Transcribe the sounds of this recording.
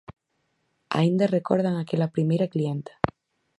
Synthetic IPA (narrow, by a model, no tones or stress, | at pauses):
a̰ind̪arekoɾðaŋakelapɾimejɾaklient̪ḁ